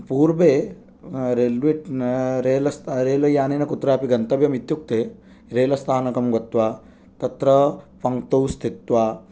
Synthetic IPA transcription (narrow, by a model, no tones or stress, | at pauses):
puːɾbeː | ɾelʋiʈɾeːlɐst̪ɾeːlɐjaːneːnɐkut̪ɾaːpiɡɐnt̪ɐʋjɐmit̪juk̚t̪eː | ɾeːlɐst̪ʰaːnɐkɐmɡɐt̪ʋaː | t̪ɐt̪ɾɐpɐŋkt̪ɐwst̪ʰit̪ʋaː